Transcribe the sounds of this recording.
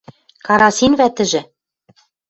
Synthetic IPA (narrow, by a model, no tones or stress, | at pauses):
kɑɾɑsinβæt̪ɘ̆ʒɘ̆